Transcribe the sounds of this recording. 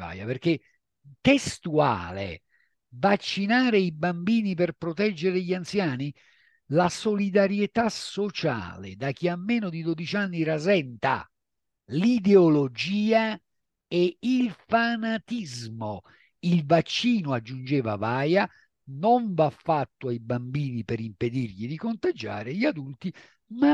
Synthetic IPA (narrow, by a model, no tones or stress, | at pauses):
va̰ːja̰perke | t̪est̪ua̰ːlḛ | vat͡ʃːinaːɾeibambiːniperpɾot̪ɛd͡ʒːeɾeʎiant̪sjaːni | lasolid̪aɾjet̪asot͡ʃa̰ːlḛd̪ak̟iamːeːnod̪id̪od̪it͡ʃanːiɾazɛnt̪a̰ | lid̪eolod͡ʒiːa | eilfanat̪izmo | ilvat͡ʃːiːnʊad͡ʒːund͡ʒɛːva̰vaːja | noɱvafːat̪ːʊajbambiːnipeɾimped̪irʎid̪ikont̪ad͡ʒa̰ːɾeʎiad̪ult̪i | ma